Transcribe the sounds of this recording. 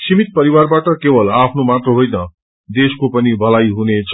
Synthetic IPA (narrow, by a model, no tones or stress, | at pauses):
simit̪̚pʌɾiwarbaʈʌkebʌlapʰnomat̪rʌɦojnʌ | d̪eskopʌnibʱʌlajɦunet͡sʰ